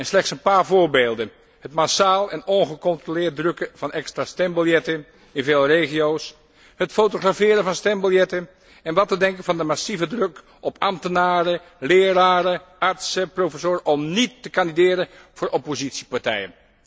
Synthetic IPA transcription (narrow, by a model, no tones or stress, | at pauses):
ɛnslɛχtsənpaːɹvʊːɹbeːlˠdən | hətmasaːlˠɛnɔnχəkɔntrolɪːɹt̚drɵkəv̥ɑnʔɛkstrastɛmbəlˠjɛtə | ɪnveːlˠrejχijows | hətfotoχrafɪːɾəvɑnstɛmbəlˠjɛtən | ɛnʋɑtədɛŋkənvɑndəmasivədrøk | ʔɔpʰɑ̰mtənaːɾə | lɪːraːɾəɑɹtsəprofəsoːɾʔɔmnitːəkɑndidɪːɾən | v̥ʊːɹʔɔpozitsipaɹtɛjən